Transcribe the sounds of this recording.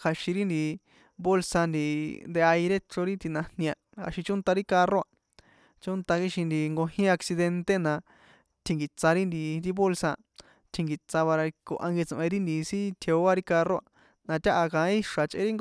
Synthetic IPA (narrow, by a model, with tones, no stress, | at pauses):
kʰa˧ʃĩ˧ɾi˦nd̪i˧ | bo˦lsa˧nd̪i˧nd̪e˧a˧i˧ɾe˦ʈ͡ʂo˧ɾi˦t̪i˧nã˧nĩ˧a˧a̰˧˨ʃĩ˧t͡ʃʊ̃˦nt̪a˧ɾi˦ka˧ro˦a˧ | t͡ʃo˦nt̪a˧ki˦ʃi˧nd̪i˧ŋɡo˧ɦĩ˦a˧ksi˧ðe˧nt̪e˦nã˧ | t̪ʰĩ˧ŋɡi˨t͡sa˧ɾi˦nd̪i˧ɾi˦βo˦lsa˧ | t̪ʰi˧ŋɡi˨t͡sa˧βa˧ɾa˧ko̰˧ʔa̰˧ŋɡi˧t͡sʔẽ˧ɾi˦nd̪i˨˧sĩ˦t̪ʰe˧o˦a˦ɾi˦ka˧ro˦˧a˧ | nã˧t̪ʲa˦ʔa˧kã˧˦ĩ˦i˦ʂa˨t͡ʃʔḛ̃˦ɾi˦ŋ